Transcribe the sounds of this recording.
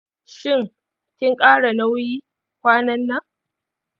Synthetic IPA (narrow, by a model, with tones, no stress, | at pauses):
ʃɪ˦˨ŋ | kʲɪ˦ŋkʼaː˦ɽa˨na˦wjiː˦ | kʷaː˦nɐ˦nːa˦